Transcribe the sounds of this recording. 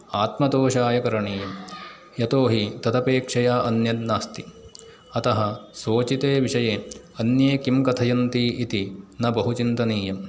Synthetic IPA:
aːt̪mɐt̪oːʃaːjɐkɐɾɐɳiːjɐm | jɐt̪oːɦit̪ɐd̪ɐpeːkʂɐjaːʔɐnjɐd̪naːst̪i̥ | ɐt̪ɐɦɐsoːt͡ʃit̪eːʋiʂɐjeː | ɐnjeːkimkɐt̪ʰɐjɐnt̪iʔit̪inɐbɐɦut͡ʃint̪ɐniːjɐm

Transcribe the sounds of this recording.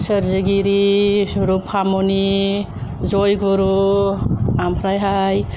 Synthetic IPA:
səɾziɡiɾiɾupʰamoni | zojɡuɾu | ampʰɾajɦaj

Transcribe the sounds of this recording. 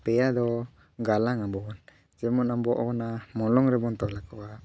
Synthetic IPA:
pɛad̪ɔ | ɡalaŋambɔn | d͡ʒɛmɔnambɔʔɔkɔnamɔlɔŋɾɛmɔnt̪ɔlakɔa

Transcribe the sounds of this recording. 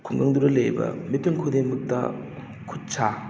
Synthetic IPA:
kʰuŋɡɐŋduɾɐlejbɐ̰mitiŋkʰodemɯk̚tɐ̰ | kʰut̚t͡ʃʰa

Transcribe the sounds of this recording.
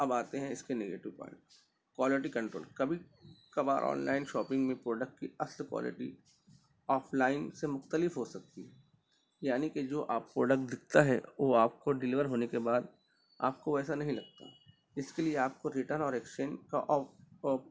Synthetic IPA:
ɐbaːt̪eɦɛ̃ɪskeneːɡḛːʈɪʋpɔ̰̃ːɪ̃ɳʈ | kwaːlɪʈ̬ikɐ̃ɳʈɾo̰ːlkɐbʱikɐba̰ːɾʔɔ̰ːnla̰ːɪnʃɔːpɪ̃ŋɡmẽpɾoːɖək̚ʈkiɐslkwa̰ːlɪ̰ʈi | ɔːfʰlaːɪnsemʊxt̪əlɪfɦosɐk̚t̪iɦɛ | jaːniked͡ʒoːʔaːpːɾoːɖək̚ʈ̚d̪ɪk̚ʰt̪aɦɛ̰ʋoaːp̚koɖɪlɪʋəɾɦoːnekebaːd̪ | a̰ːp̚koɛːsanɐɦĩlɐɡ̚t̪a̰ɦɛ | ɪskelieaːp̚koɾɪʈəɾnɔːɾekst͡ʃẽːnd͡ʒka̰ʔɔː

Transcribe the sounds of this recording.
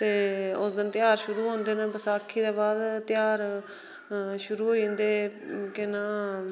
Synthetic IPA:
t̪eːʊsd̪ɪnt̪ɪjaːɾʃʊɾuːɦõːnd̪eːnãːbəsaːkʰːiːd̪ãːbaːd̪t̪ɪjaːɾ | ʃʊɾuːɦoːĩːnd̪eːkɪnaː

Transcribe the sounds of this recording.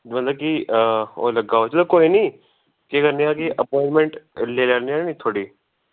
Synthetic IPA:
mət̪ləb̚kio̰ːləɡaːot͡ʃʰːt̪okoːinĩː | kekəɾniaːkiʔəpɔ̃ɪɳmẽɳʈleːlaːɽniaːnĩːt̪ʰoːɽiː

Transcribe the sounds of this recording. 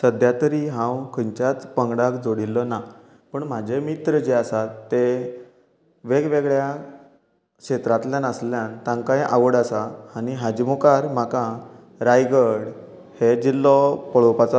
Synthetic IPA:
səd̪ʱjat̪əɾiɦãwkʰəɲt͡ɕjat͡spəŋɡɽakd͡zoɽilːɔna | pəɳm̤ad͡ʑʱemit̪ɾəd͡ʑeasat̪ːe | ʋeɡʋeɡɭja | kɕet̪ɾat̪ljanəsljãnt̪ãŋkaiʔaʋəɽasaaniɦad͡ʑimukaɾm̤akã | ɾajɡəɽ | hed͡ʑilːɔpəɭopat͡sɔ

